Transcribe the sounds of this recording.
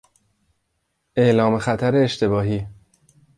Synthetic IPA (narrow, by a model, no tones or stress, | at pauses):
ʔe̞ʔlɒːme̞xæt̪ʰæɾeːʃt̪e̞bɒːɦiː